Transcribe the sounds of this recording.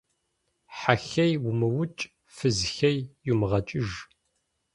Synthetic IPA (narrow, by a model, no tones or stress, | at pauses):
ħaxɐjwʊmɨwʊt͡ʃʼ | fɨzxɐjːumʁɐt͡ʃʼɪʒ